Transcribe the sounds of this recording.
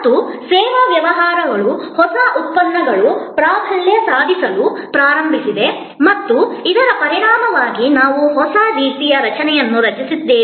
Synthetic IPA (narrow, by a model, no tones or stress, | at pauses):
usɛːʋɐʋjɐʋɐɦaːɾɐʋɐɭuhɔsɐʔut̪̚ːɐnːɐɡɐɭupɾaːbʰʱɐɭjɐsaːd̪ʱisɐlupɾaːɾɐmbʱisid̪e̞ | mɐt̪ːuid̪ɐɾɐpɐɾiɾaːmɐʋaːɡinaːʋuɦɔsad̪iːt̪ijɐɾɐt͡ʃɐnɛjɐnːuɾɐt͡ʃisid̪ːeː